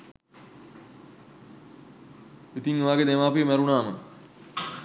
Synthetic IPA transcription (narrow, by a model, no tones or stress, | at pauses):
it̪iŋʋaːɡed̪eʋaːpiəmɛɾunaːmə